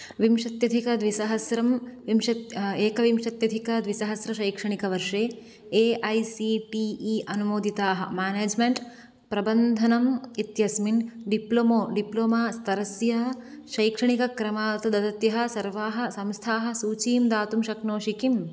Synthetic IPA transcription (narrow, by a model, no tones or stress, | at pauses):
ʋimʃɐt̪jɐd̪ʱikɐd̪ʋisɐɦɐsɾɐmʋimʃɐt̪eːkɐʋimʂɐt̪jɐd̪ʱikɐd̪ʋisɐɦɐsɾɐʃɐjkʂɐɳ̃ikɐʋɐɾʂeː | eːʔɐjsiʈiːiʔɐnumoːd̪ʱit̪aːɦɐ̰maːneːd͡ʒmeɳʈ | pɾɐbɐnd̪ʱɐnɐmit̪jɐsminɖiplomoːɖiploːmaːst̪ʰɐɾɐsjɐɦɐʃɐjkʂɐɳikɐkɾɐmaːɐt̪ɐd̪ɐd̪ɐt̪jɐɦɐ̆sɐɾʋaːɦɐ̆sɐmst̪ʰaːɦɐsuːt͡ʃiːmd̪aːt̪umʃɐknoːʃikim